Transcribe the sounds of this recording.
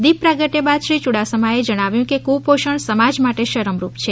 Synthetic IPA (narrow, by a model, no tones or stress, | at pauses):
d̪ipːɾaɡəʈjəbad̪ʃɾit͡ʃuɽasəmaed͡ʒəɽ̃aʋjũkekupoʃəɳsəmad͡ʒmaʈeʃəɾəmɾupt͡ʃʰe